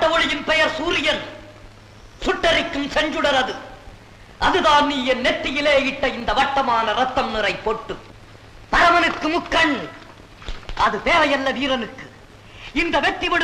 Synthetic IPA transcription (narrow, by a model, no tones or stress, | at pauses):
ʈːɐʋɔɭɪjɪnpɛjɐɾsuːɾɪjɐɾ | sʊʈːɐɾɪkːɯmsɛɲd͡ʒɯɽɐɾɐðɯ | ʔɐðɯðaːnniːjɛnnɛt̪ːɪjɪleːɪʈːɐɪnd̪ɐʋɐʈːɐmaːnɐɾɐt̪ːɐmnɯɾɐɪpːoːʈːɯ | pɐɾɐmɐnɯkːɯmɯkːɐɳ | ɐðɯp̪eːʋɐjɐlːɐʋiːɾɐnɯkːɯ | ɪnd̪ɐʋɛt̪ːɪʋɐɽ